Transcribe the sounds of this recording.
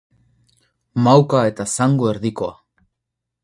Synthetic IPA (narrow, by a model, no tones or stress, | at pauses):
mawkae̞t̪asaŋɡoe̞ɾðiko̞a̰